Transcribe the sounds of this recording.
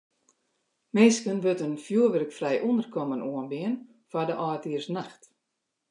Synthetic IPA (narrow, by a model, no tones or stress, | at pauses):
mɪːskənʋøtənfjuəʋərəkfrɛjʔundərkʰɔmənuənbɪən | fadəʔɔːtiərsnaxt